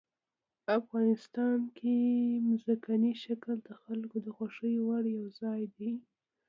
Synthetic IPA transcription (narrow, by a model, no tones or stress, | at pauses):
afɣɑnɪst̪ɑnkʰemzakaniʃakəld̪əxalkod̪əxaʂəjwaɽjawzɑjd̪i